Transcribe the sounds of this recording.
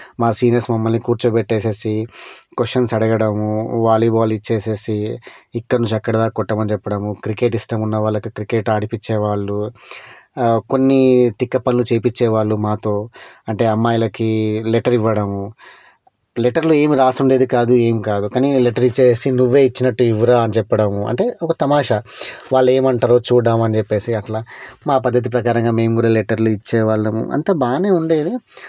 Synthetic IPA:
maːsiːneɾsmɐmːɐlnikuːɾt͡ʃupɛʈːeːse̞ːsikoʂʈːɐnsɐɽɐɡɐɽɐmuʋaːliːbaːlit͡ʃːe̞ːse̞ːsiikːɐɽɐnuɲt͡ʃɐkːɐɽɐd̪aːkɔʈːɐmɐnit͡ʃɛpːɐɽɐmukɾike̞ːʈisʈɐmunːɐʋaːɭːɐkukɾike̞ːʈaːɽipit͡ʃːɛːʋaːɭːu | ko̞nːit̪ikːɐpɐnlut͡ʃeːpit͡ʃːɛːʋaːɭːumaːt̪o̞ːɐɳʈe̞ːɐmːaːjɐlɐkileʈɐɾiʋːɐɽɐmu | leʈɐɾlue̞ːmiɾaːsuɳɖe̞ːd̪ikaːd̪ue̞ːmikaːd̪ukaːnileʈɐɾit͡ʃːeːsinuʋːe̞ːit͡ʃːinɐʈːuiʋɐɾaːɐnit͡ʃɛpːɐɽɐmuɐ̰ɳʈe̞ːʔɔkɐt̪ɐmaːʂɐʋaːɭːe̞ːmɐɳʈaːɾoːt͡ʃuːɽaːmɐnid͡ʒepːe̞ːsiɐʈlaːmaːpɐd̪ʱːɐt̪̬ip̬ɾɐkaːɾɐŋɡaːme̞ːmkuːɽaːleʈɐɾluit͡ʃːɛːʋaːɭːɐmṵʔɐ̰nt̪ɐbaːne̞ːuɳɖeːd̪i

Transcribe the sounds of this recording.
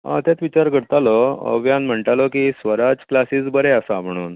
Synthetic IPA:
ã̰t̪jat̪ʋit͡ɕaɾkəɽt̪alɔə̰ʋjanm̤əɳʈalɔkisʋəɾad͡zklasiːt͡sbəɾɛasam̤əɽ̃uːn

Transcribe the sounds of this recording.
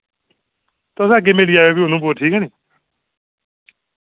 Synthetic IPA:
t̪osaːɡeːmeːɽiːaːjoːbiːʊnũːboːʈʰiːkɛːneː

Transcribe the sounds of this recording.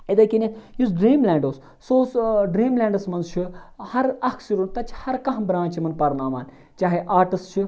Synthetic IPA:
ed̪ɐkʲinʲejus̬ɖɾiːmlʲãːɳɖoːs | soːsɖɾiːmlãːɳɖɐsmɐnzt͡ʃʰihɐɾɐkʰsiɾunt̪ɐt͡ʃʰhɐɾkɐɦbɾãːnt͡ʃʰimɐnpɐɾnaːʋaːnʲ | t͡ʃaːɦeʔaːɾʈɨst͡ʃʰi

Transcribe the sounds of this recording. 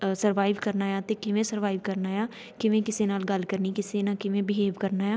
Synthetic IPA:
səɾʋaːɪʋkəɾnaːjaːt̪eːkɪʋẽːsəɾʋaːɪʋkəɾnaːjaː | kɪʋẽkɪseːnaːlɡəlkəɾniːkɪsenakɪʋẽbɪɦeːʋkəɾnaːjaː

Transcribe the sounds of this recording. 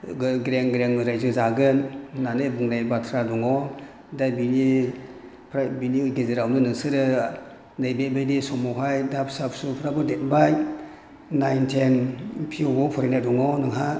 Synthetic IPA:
ɡɡɾeŋɡɾeŋɾajzɯzaɡɯnːanɯbuŋnajbatʰɾadɔŋɔ | dajbini | pʰɾabiniɡezeɾawnɯnɯŋsɯɾɯ | najbebejdisɔmɔɦajdapʰsapsupʰɾabɯdet̚baj | najntʰenpʰiɡɔpʰɔɾinadɔŋɔnɯŋɦa

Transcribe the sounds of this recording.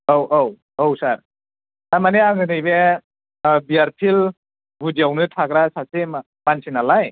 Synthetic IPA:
owʔow | owsaɾ | amaneaŋɯnɯjbe | biaɾpʰil | bʱud͡ʒiawnɯtʰaɡɾasasema | mansinalaj

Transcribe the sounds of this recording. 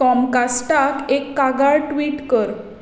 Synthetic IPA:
ɔmkasʈakekːaɡaɾʈʋiːʈkəɾ

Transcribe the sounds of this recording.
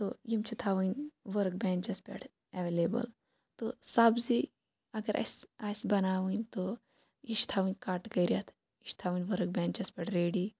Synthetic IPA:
t̪ojimt͡ʃʰit̪ʰaːʋunʲʋəɾkbʲɛ̃ːnd͡ʒɐspʲɛ̰ʈʰ | ɛʋeːleːbə̰l | t̪osaːbzi | ɐɡɐɾʔɐ̰saːsbɐnaːʋunʲt̪o | iʃt̪ʰaʋɨnʲkaːʈkɐjɾjat̪ʰ | iʃt̪ʰaːʋunʲʋəɾk̚bʲɛ̃ːnd͡ʒɐspʲɛʈʰɾeːɽi

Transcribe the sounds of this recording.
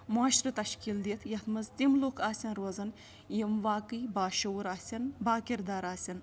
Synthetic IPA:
muaːʃɾɨt̪ɐʃkild̪it̪ʰjɐt̪ʰmɐzt̪imloːkʰaːsʲɐnɾozɐn | jimʋaːkɨjbaːʃɐwuɾaːsʲɐnbaːkʲiɾd̪aːɾaːsʲɐn

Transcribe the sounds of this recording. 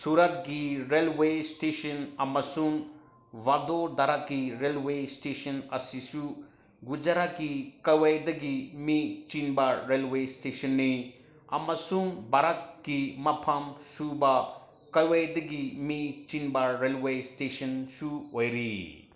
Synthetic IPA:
suɾat̪̚ɡiɾelwesʈeʃɐnɐmɐsun | ʋad̪od̪ɐɾakiɾelwesʈeʃɐnɐsisu | ɡud͡ʒaɾakikɐwajd̪ɐɡimit͡ʃinbaɾelwesʈeʃɐnːe | ɐ̰mɐsunbaɾakːimɐpʰamsuba | kɐjwajd̪ɐɡimit͡ʃinbaɾelwesʈeʃɐnsuojɾi

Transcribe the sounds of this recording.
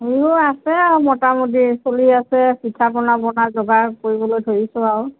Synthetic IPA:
ɦeɦuasɛaʊmɔtamodisoliasɛsitʰabɔnabɔnazɔɡakoɹibɔlojtʰoɹisʊ̃aɹʊ

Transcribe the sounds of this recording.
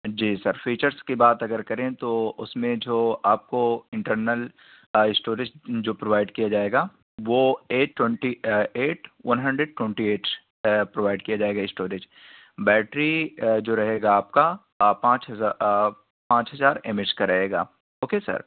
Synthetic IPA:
d͡ʒiːsɐɾfiːt͡ʃəɾzkibaːt̪ɐɡəɾkɐɾẽt̪oʊsmẽd͡ʒoːaːp̚koɪ̃ɳʈəɾnəl | ɪsʈoːɾɪd͡ʒd͡ʒoːpɾoʋaːɪɖkijad͡ʒaːeːɡaː | ʋoːeːʈːwɛ̃ɳʈieːʈʰʋʔɐnɦɐ̃ɳɖɾeɖʈwɛ̃ɳʈieːʈ | pɾoʋaːɪɖkijad͡ʒaːeːɡaːɪsʈoːɾɪd͡ʒ | bɛːʈɾid͡ʒoːɾɐɦeːɡaːp̚ka | pãːt͡ʃɦɐa | pãːt͡ʃɦɐzaːɾɪmɪd͡ʒkaɾɐɦeːɡa̰ː | ɦoːkesɐ̰ɾ

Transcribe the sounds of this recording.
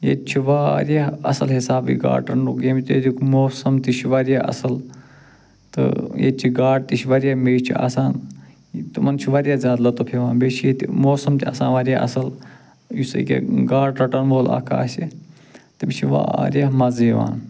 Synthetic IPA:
jḛt̪t͡ʃʰiʋaːɾjɐɦɐsɐlɦisaːbḭɡa̰ːʈɐnuɡeːmit̪jed̪ikmoːsɐmt̪iʃʰiʋɐɾijaːɐ̰sɐl | t̪ɨ̰jḛt͡ʃʰiɡaːʈ̚t̪iʃiʋɐɾjahmeːʃt͡ʃʰia̰ːsaːn | t̪umɐnt͡ʃʰuʋɐɾjaːzaːd̪lɐt̪opʰeʋaːnbeːt͡ʃʰjet̪imoːsɐmt̪ʲiɐ̰sãːnʋɐɾʲjaːɐsɐl | jusɨ̰kʲḛɡaːɽʈɐʈɐnʋoːla̰ːkʰa̰ːsi | t̪imit͡ʃʰiʋa̰ɾijɐɦmɐziːʋa̰ːn

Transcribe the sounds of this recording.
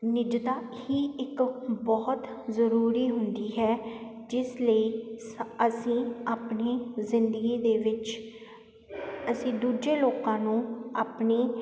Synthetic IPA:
nɪd͡ʒd̪aːhiːɪkbɔːt̪zəɾuːɾiːɦʊnd̪iːɦɛː | d͡ʒɪsləiːsəsĩːaːpniːzɪnd̪əɡiːd̪eːʋɪt͡ʃ | əsĩːd̪uːd͡ʒeːloːkãːnũːaːpneː

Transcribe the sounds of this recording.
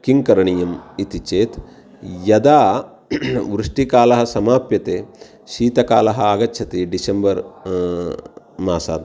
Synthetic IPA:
kiŋkɐɾɐɳijɐmit̪it͡ʃeːt̪ | jɐd̪aː | ʋɾuʂʈikaːlɐɦɐ̆sɐmaːpjɐt̪eː | ʃiːt̪ɐkaːlɐɦɐaːɡɐtːʃʰɐt̪iɖisɐmbɐɾ | maːsa̰ːd̪

